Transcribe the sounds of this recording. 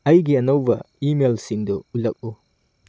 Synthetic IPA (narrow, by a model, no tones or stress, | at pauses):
ɐjɡiɐnowbɐ | imelsiŋdɔulɐk̚u